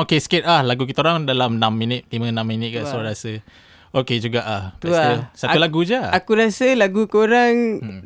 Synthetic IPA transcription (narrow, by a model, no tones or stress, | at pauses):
okeskɪt̪̚lahlaɡukit̪aoɾaŋdalamnamːinɪt̪̚limə̃nãmːinɪt̪̚kaʔsaɾasə | oked͡ʒuɡaʔah̪aəsat̪ulaɡud͡ʒaakuɾasəlaɡukəoɾaŋ